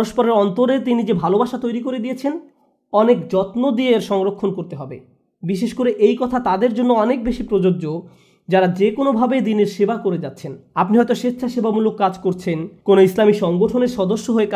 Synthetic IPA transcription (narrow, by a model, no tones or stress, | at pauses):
ɾoʃpɔɾeɾɔnt̪oɾet̪̬inid͡ʑebʱalobaʃat̪ojɾikoɾed̪ijet͡ɕʰen | ɔnekd͡ʑɔt̪nod̪ieɾʃɔŋɾokʰːonkoɾt̪eɦɔbe | biʃeʃkoɾeʔejkɔt̪ʰat̪ad̪eɾd͡ʑonːoɔnek̚beʃipɾod͡ʑod͡ʑo | d͡ʑaɾad͡ʑekonobʱabed̪ineɾʃebakoɾed͡ʑatːɕʰenapniɦɔet̪oʃet̪ːɕʰaʃebamulokːad͡ʑkoɾt͡ɕʰenkonoislamiʃɔŋɡoʈʰoneɾʃɔd̪oʃːoɦoeka